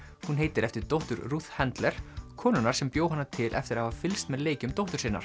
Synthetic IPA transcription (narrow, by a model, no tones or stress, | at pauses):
hunɦeːjt̪ɪɾɛft̪ɪɾ̥t̪owht̪ʏɾruːθhɛnt̪lɛɾ̥kʰɔːnʏnaɾ̥sɛmpjoːwhanːat̪ʰɪlʔɛ̰ft̪ɪɾahavafɪlst̪mɛðleːjcʏmt̪owht̪ʏɾ̥sɪnːaɾ̥